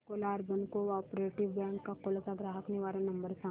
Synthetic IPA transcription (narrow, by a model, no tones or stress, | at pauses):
kolaːɾbənkoɔːpɾeːʈɪʋbɛ̃ːŋkːakolsaɡɾaːɦəkneʋaːɾanɐ̃mbəɾsa